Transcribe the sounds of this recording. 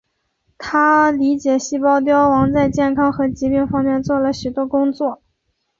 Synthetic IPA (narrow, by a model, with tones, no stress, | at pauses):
t̪ʰa˥li˧˥t͡ɕjɛ˨˩ɕi˥˩pɑ˥ʊt̪̬jɑ˥ʊwɑ˧˥ŋt͡sa˥˧ɪt͡ɕjɛ˥˩nkʰɑ˥ŋxɤ˧˥t͡ɕi˧˥pi˥˩ŋfɑ˥ŋmjɛ˥˧nt͡swɔ˥˩lə˩ɕy˨˩t̪wɔ˥kʊ˥ŋt͡swɔ˥˩